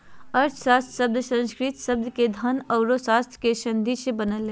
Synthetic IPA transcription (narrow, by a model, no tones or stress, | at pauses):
əɾt͡ʃʰsaːst̪ʰsəb̚d̪ʱsə̃nskɾɪt̪sɐb̚d̪ked̪ʱənɔʊɾosaːst̪ʰkeʃɐ̃nd̪ʱiʃebənəle